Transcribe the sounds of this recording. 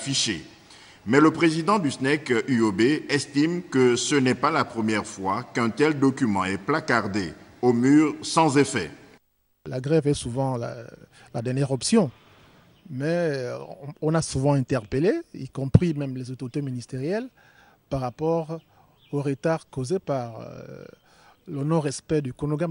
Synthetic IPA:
fiʃḛ | mɛləpχezid̪ɑ̃d̪ysnɛkyobeɛst̪imkəsənɛpalapχəmjɛʁfwakɛ̃t̪ɛld̪ɔkymɑ̃ɛplakaʁd̪eomyːʁsɑ̃zefɛ̰ | laɡʁɛvɛsuvɑ̃la̰ | lad̪ɛʁnjɛʁɔpsjɔ̃ | mɛ̃ | ɔ̃nasuvɑ̃ɛ̃t̪ɛʁpəleḭkɔ̃pχimɛmlezot̪oʁit̪eminist̪eʁjɛl | paʁapɔʁ | oʁət̪aʁkozepaʁ̰ | lənɔ̃ʁɛspɛd̪ykonoɡam

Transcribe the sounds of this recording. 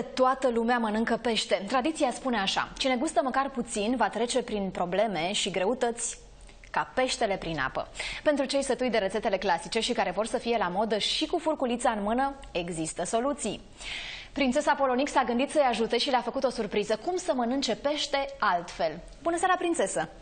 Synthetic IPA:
t̪oat̪əlumeamənɨŋkəpe̞ʃt̪e̞t̪ɾad̪it̪sijaspune̞aʃa̰t͡ʃine̞ɡust̪əməkarput̪sinvat̪ɾe̞t͡ʃe̞pɾinpɾo̞ble̞me̞ʃiɡɾe̞ut̪ət̪sʲ | kape̞ʃt̪e̞le̞pɾina̰pə̰pe̞nt̪ɾut͡ʃe̞jst̪ət̪ujd̪eɾet̪se̞t̪e̞le̞klasit͡ʃe̞ʃikaɾe̞vo̞rsəfije̞lamo̞d̪əʃikufurkulit̪saɨnmɨnə | e̞ɡzist̪əso̞lut̪sij | pɾint̪se̞sapo̞lo̞niksaɡɨnd̪it̪səjaʒut̪e̞ʃileafəkut̪o̞surpɾizəkumsəmənɨnt͡ʃe̞pe̞ʃt̪e̞alt̪fe̞l | bunəseaɾapɾint̪se̞sə

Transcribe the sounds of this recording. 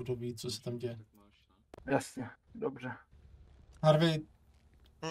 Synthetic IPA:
doviːt͡sosɛ̥t̪amɟɛjɛ | jasɲɛdobrɛ | haɾvej̚

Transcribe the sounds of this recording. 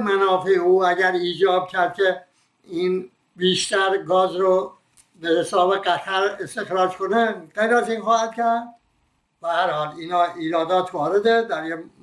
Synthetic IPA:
mænɒːfeeuːæɟæɾiːd͡ʒɒːb̚cʲʰæɾd̪̥̚kʲʰe | iːn | biːʃt̪æɾɡɒːzɾo | beheseɒːbeɡæt̪ʰæɾest̪e̞xɾɒːd͡ʒkʰoneɡejɾæziːnxɒːhæd̪̥̚kʰæɾd̪̚ | b̥ehæɾhɒːliːnɒːʔiːɾɒːd̪ɒːt̪ʰvɒːɾed̪ed̪æɾje

